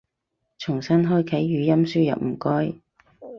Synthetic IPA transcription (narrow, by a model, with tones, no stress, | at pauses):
t͡sʰʊ˨˩ŋsɐ˥nɦɔː˥jkʰɐ˨˥jːyː˨˧jɐ˥msyː˥jɐ̰˨p̚m̩˨˩kɔː˥j